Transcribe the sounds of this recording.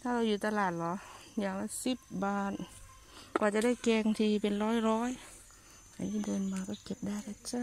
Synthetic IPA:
t̪ʰaː˧˩ɾa˧wjuː˨˩t̪aː˧laː˨˩t̪̚lɔ˨˧˦jaː˧˩ŋ̚la˧˥˨si˧˩p̚baː˧n | kwaː˧˩t͡ɕa˧˦daː˥˩jkɛː˧ŋt̪ʰiː˧˩pe˨nlɔː˧˥˩jɾɔː˦˥˨j | ʔa̰˨˧˩niː˧˥˨dɤː˧˩nmaː˧kɔː˧˩ke˧˩p̚daː˧˩jt̪ʰa˧˩t͡ɕa˧˥˨

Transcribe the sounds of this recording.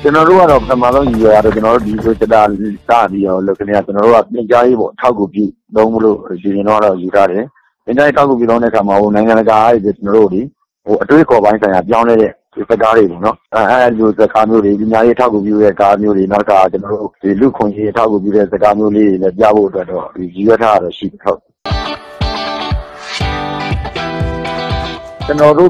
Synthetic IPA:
t͡ɕə˨nɔ˨ɾo̰˦˨ɡa˦˨ɾɔ˦˨pətʰəma˦˨zõ˦ʊ̃ju˨jɛ˨ja˦˨dɔ˦˨t͡ɕə˨nɔ˨ɾo̰˦˨di˨twe˦˨t͡ɕə˦ta̰˦˨sa̰˦˨pi˦ɾɔ˦lo˦˨ʔkʰːɛ˦˨a˦˨t͡ɕənɔ˨ɾo̰˦˨ɡa˦˨pjɪ̃˨ɲt͡ɕa˦je˦bɔ̰˦˨ʔətʰa˦ʊkːu˨pjṵ˦ | t̪õ˦mu˦lo̰˦˨pi˨jɪ̃˨nõ˦a̰˨ɔ˦˨ju˨sʰa˦ɾɛ˨˦ | jɪ̃˨ɲt͡ɕa˦je˦tʰa˦ʊk̬ːu˨pju˦˨õ˦ʊ̃ndɛ̰˦˨ə˨kʰa˨ma˨ɦo˨nã˨ɪ̃ŋã˨ndəɡa˨ʔa˦e˦˨p̪ʰɪ˦˨t͡ɕənɔ˨ɾo˦˨d̪i˨ | ho˨ʔətwe˦˨kʰɔ˨βã˦ɪ̃sʰã˨ɪ̃ja˨p̬jã˦lɛ˦ɾɛ̰˦˨ | i˨zə˦˨ka˦ɾe˨bɔ̰˦˨nɔ˦˨ʔa˦˨d̪mo˦˨zə˨ka˦mjo˦de˨pi˨ɲja˨je˦ʔətʰa˦ʊku˨p̬jṵ˦ɾɛ˦˨ka˦mjo˦de˨na˦tə˦kʰa̰˦˨a˨t͡ɕənɔ˨ɾo̰˦˨d̥i˨lṵ˦˨kʰʊ̃˨je˦ʔətʰa˦ʊkːu˨pju˦˨ɾɛ˦˨zə˨ɡa˦mjo˦le˦ɾe˨lɛ˦p̬ja̰˦˨bo̰˦˨ʔətwɛ˦tːɔ̰˦˨d̥̪i˨ji˨wɛ˦tʰa˦a˨ɾɔ˦˨ʃḭ˦˨dɛ˨ɦo˦ʊʔ | t͡ɕənɔ˨ɾo˦˨

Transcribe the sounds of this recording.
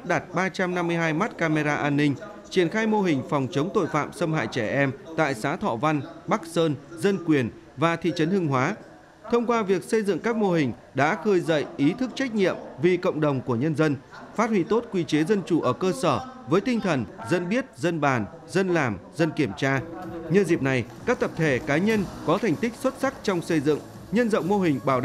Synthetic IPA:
p̚ɗa˨˩t̚ɓaː˧t͡ɕa˧mna˧mːɨ˧jɦaː˧jmaː˦˥t̚kaː˧me˧zaː˧ʔaː˧nːï˧ŋ̟ | t͡ɕi˧˩ənxaː˧jmo˧ɦï˨˩ŋ̟fɔ˨˩wŋ͡mt͡ɕə˨˦wŋ͡mt̪o̰˧˨jfa̰ː˧˨msə˧mhɦa̰ː˧˨jt͡ɕɛ˧˩ʔɛ˧mt̪a̰ː˧˨jsaː˨˦t̪ʰɔ̰˧˨va˧nɓa˦˥k̚səː˧nzə˧nkwi˨˩ən | vaː˨˩t̪ʰḭ˧˨t͡ɕə˨˦nhɨ˧ŋɦwaː˨˦ | t̪ʰə˧wŋ͡mkwaː˧vi˨˩ək̚sə˧jzɨ̰˧˨ŋkaː˦˥k̚mo˧ɦï˨˩ŋ̟ | ɗa̰ː˧˥xɨ˧jzə̰˧˨jʔi˨˦t̪ʰɨ˦˥k̚t͡ɕa˦˥jk̟̚ɲḭ˧˨əmvi˨˩kə̰˧˨wŋ͡mɗə˨˩wŋ͡mku˧˩əɲə˧nzə˧nfaː˦˥t̚hwḭ˧˨t̪o˦˥t̚kwi˧t͡ɕe˨˦zə˧nt͡ɕu˧˩ʔəː˧˩kəː˧səː˧˩vəː˨˦jt̪ï˧ŋ̟t̪ʰə˨˩nzə˧nɓi˦˥ət̚zə˧nɓaː˨˩n | zə˧nlaː˨˩mzə˧nki˧˩əmt͡ɕaː˧ɲɨ˧zi˨˩p̚na˨˩jkaː˦˥k̚t̪ə˨˩p̚t̪ʰe˧˩kaː˨˦jɲə˧nkɔ˨˦t̪ʰa˨˩jŋ̟t̪ï˦˥k̚swə˦˥t̚sa˦˥k̚t͡ɕɔ˧wŋ͡msə˧jzɨ̰˧˨ŋ | ɲə˧nzə̰˧˨wŋ͡mmo˧ɦï˨˩ŋ̟ɓaː˧˩wɗ̰

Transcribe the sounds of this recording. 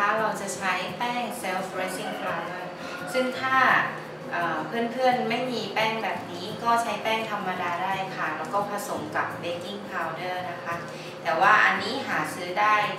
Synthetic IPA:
a˦˥˩ɾa˧wt͡ɕa˨˩t͡ɕʰa˧˦˥jpɛː˥˩ŋse˧˥wfɾe˦˥si˥˩ŋpʰaː˧wdɤː˥˩ | sɯ˥˩ŋt̪ʰaː˥˩ | ʔɤː˨˩pʰɯ˥˩ənpʰɯ˥˩ənma˥˩jmiː˧pɛː˥˩ŋbɛː˨˩p̚niː˦˥kɔː˥˩t͡ɕʰa˦˥jpɛː˥˩ŋt̪ʰa˧mːa˧daː˧daː˥˩jkʰa˧˩ɾa˧˦˥wkɔː˥˩pʰa˧so˩˦mka˨˩p̚beː˧˦ki˥˩ŋpʰaː˧wdɤː˥˩na˦˥kʰa˦˥ | t̪ɛː˨˩waː˥˩ʔa˧nːiː˦˥ɦaː˩˦sɯː˦˥daː˥˩j

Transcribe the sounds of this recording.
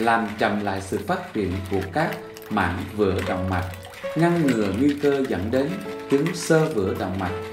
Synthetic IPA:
laː˨˩mt͡ɕə˨˩mla̰ː˧˨jsɨ̰˧˨faː˦˥t̚t͡ɕḭ˧˨ənku˧˩əkaː˦˥k̚ | ma̰ː˧˥nvɨ̰˧˩əɗə̰˧˨wŋ͡mma˨˩t̚ | ŋa˧ŋŋɨ˨˩əŋwi˧kəː˧zə̰˧˥nɗe˨˦nt͡ɕɨ˨˦ŋsəː˧vɨ̰˧˩əɗə̰˧˨wŋ͡mma˨˩t̚

